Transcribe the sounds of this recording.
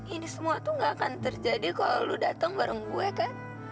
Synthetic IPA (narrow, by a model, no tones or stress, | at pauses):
inisəmuat̪uŋɡaːkant̪ərd͡ʒadikaloludat̪aŋbaɾəŋbuɛkan